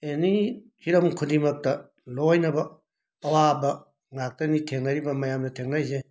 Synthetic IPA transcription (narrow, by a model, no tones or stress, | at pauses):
enihiɾɐmkʰudimɐk̚tɐ | lojnɐbɐː | wabɐ | ŋak̚tɐnitʰeŋnɐɾibɐmɐjamdɐtʰeŋnajze